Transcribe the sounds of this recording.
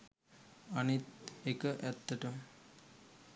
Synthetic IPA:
anit̪ekəʔæt̪ːəʈə

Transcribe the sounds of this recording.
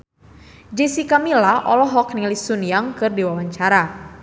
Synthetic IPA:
d͡ʒisikamilaʔɔlɔɦɔk̚nilisunjaŋkɨrdiwawaɲt͡ʃaɾa

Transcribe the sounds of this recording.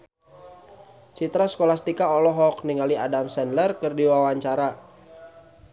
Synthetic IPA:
t͡ʃit̪ɾaskolast̪ikaɔlɔɦɔk̚niŋaliadamsɛnlərkərdiwawaɲt͡ʃaɾa

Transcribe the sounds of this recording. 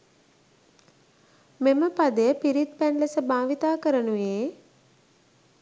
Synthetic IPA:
meməpad̪əjəpiɾit̪̚pænləsəbaːʋit̪aːkəɾənuʋeː

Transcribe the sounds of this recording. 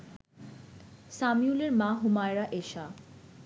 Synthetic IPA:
samiuleɾmãɦumajɾaʔeʃa

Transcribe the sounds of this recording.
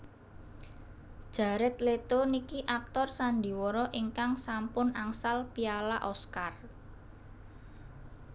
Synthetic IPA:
d̥ʒ̥a̤ɾɪt̪let̪onikiʔak̚t̪ɔrsand̪i̤wɔɾɔʔiŋkaŋsampʊnaŋsalpialaʔɔskar

